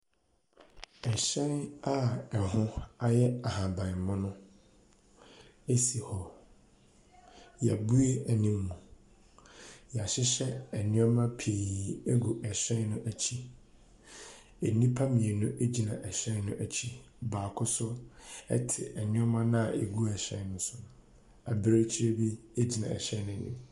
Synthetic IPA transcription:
ɛ˨ɕɛ̃˦na˦ɛ˨hʊ̃˦a˦jɛ˦a˨hã˨bã˨m˨mʊ̃˦nʊ̃˦ | e˦si˨hɔ˨ | jæ˨bu˦e˦æ˨nĩ˦mː˦ũ˨ | jɛ˨a˨ɕɪ˦ɕɛ˦ɛ˨nɪ̃˦ɔ˦mã˦pʰi˨e˦ɡu˨ʔɛ˨ɕɛ̃˦nnʊ̃˦ʔæ˨t͡ɕʰi˦ | e˨nĩ˦pʰa˦mĩ˨e˨nʊ̃˦ʔe˦d͡ʑi˨nã̰˨ʔɛ˨ɕɛ̃˦n˦nʊ̃˦ʔæ˨t͡ɕʰi˦ | baː˨kʰʊ˦sʊ˦ɛ̰˦tʰɪ˨ʔɛ˨nɪ̃˦ɔ˦mã˦nã˦a˨e˨ɡu˦ɛ˨ɕɛ̃˦nʊ̃˦sʊ̃˨ | a˨bɪ˦ɾe˦t͡ɕʰi˦ɾe˦bi˦e˦d͡ʑi˨nã˨ɛ̰˨ɕɛ̃˦nʊ̃˦˨nḭ̃˦

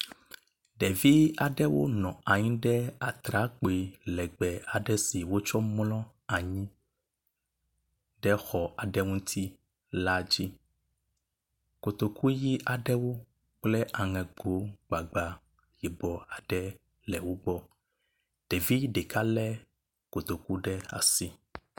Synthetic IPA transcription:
ɖɛ˨vi˦a˨ɖɛ˦wo̰˦nɔ̃˨a˨ɲĩ˦ɖɛ˦a˨t̪ɾa˦k͡po˨i˨lɛ˨ɡ͡bɛ˨a˨ɖɛ˦si˨wo˦t͡ʃɔ˦mlɔ̃˦ | a˨ɲĩ˦ | ɖɛ˦xɔ˨a˨ɖɛ˦ŋũ˦t̪ʰi˦ | la˦d͡ʑi˦ | ko˨t̪o˨ku˦ji˦ʔa˨ɖɛ˦wo˦ | k͡plɛ˦ʔa˨ŋɛ̃˨ɡo˨˦ɡ͡ba˨ɡ͡ba˨ | jɛ˨bɔ˨a˨ɖɛ˦ | lɛ˨wo˦ɡ͡bɔ˦ | ɖ̥e˨vi˦ɖe˨ka˦lɛ˦ | ko˨t̪o˨ku˦ɖɛ˦a̰˨si˦

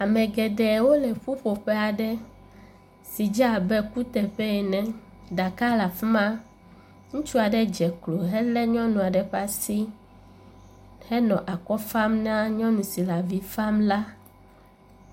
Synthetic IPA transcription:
a˨mẽ˨ɡɛ˨dɛ˨wo˦lɛ˨ɸu˦ɸo˨ɸɛ˦a˨ɖɛ˦ | si˨d͡ʒa˦˨bɛ˦ku˦t̪ɛ˨ɸɛ˦ɛ˨nɛ̃˨ | d̪a˨ka˦la˨fi˦mã˦ | ŋũ˦t͡ʃu˦a˨ɖɛ˦d͡ʒɛ˨klo˨ɦɛ˦lɛ˦ɲɔ̃˦nũ˨a˨ɖɛ˨ɸa˦si˦ | hɛ˦nɔ̃˨ʔa˨kɔ˦fa˦mnã˦ɲɔ̃˦nũ˨si˨la˨vi˦fa˦mla˦

